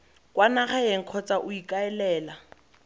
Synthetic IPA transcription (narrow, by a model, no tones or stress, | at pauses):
kʼwanaχaeŋ̩kʰɔt͡sʼaʔʊikʼaɛlɛːla